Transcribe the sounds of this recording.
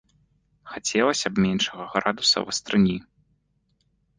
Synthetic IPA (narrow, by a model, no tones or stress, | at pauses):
xat͡sʲɛlˠɐsʲɐbmʲɛnʂɐɣɐɣɾad̪usɐ̰vɐ̰st̪ɾɨnʲi